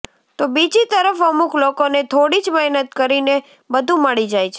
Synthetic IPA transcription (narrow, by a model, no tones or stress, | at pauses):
t̪obid͡ʒit̪əɾəfəmuklokonet̪ʰoɽid͡ʒmɛɦnət̪̚kəɾine | bəd̪ʱũməɭid͡ʒajt͡ʃʰe